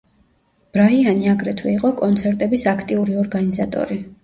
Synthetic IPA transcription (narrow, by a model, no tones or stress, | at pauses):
b̥ɾaianiaɡɾɛt̪ʰwɛiqʼɔkʼɔnt̪sʰɛɾt̪ʼɛbisakʰt̪ʼiuɾiɔɾɡanizat̪ʼɔ̰ɾi